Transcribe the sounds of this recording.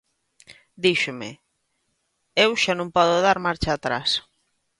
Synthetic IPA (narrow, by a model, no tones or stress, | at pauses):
d̪iʃʊmɪ̰ | ewʃanõmpɔðʊðaɾmaɾt͡ʃaːt̪ɾas